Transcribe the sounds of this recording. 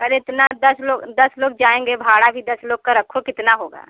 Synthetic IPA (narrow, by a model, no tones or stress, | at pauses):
kɐleɪt̪nad̪ɐsloːɡd̪ɐsloːɡ̚d͡ʒaːẽːŋɡebʱaːɽabʱid̪ɐsloːɡ̚kaɾɐkʰokɪt̪naɦoːɡa̰ː